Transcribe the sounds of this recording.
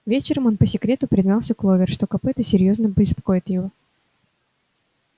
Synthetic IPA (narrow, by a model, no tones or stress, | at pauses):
vʲet͡ɕɪɾəmo̞npəsʲɪkɾʲe̞t̪ʊpɾʲɪznɑlˠsʲəklˠovʲɪrʂt̪o̞kɐpɛt̪əsʲɪɾʲjo̞znəbɪspɐ̥ko̞ɪt̪jɪvo̞